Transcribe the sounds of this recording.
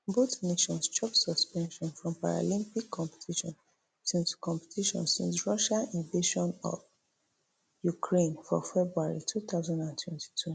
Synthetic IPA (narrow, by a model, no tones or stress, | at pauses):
botneʃɔ̃nst͡ʃɔpsɔspɛ̃nʃɔ̃nfɹɔ̃mpaɹa̰lĩmpikʰːɔ̃mpɛ̥tʰiʃɔ̰̃n | sĩnskɔ̃mpɛ̥tiʃɔ̰̃nsĩnsɹɔʃaĩnveʃɔ̃nɔ̰v | jukʰɹẽnfɔfɛbɹuaɹitʰuθaʊzãndãntʰwɛ̃nti̥tʰu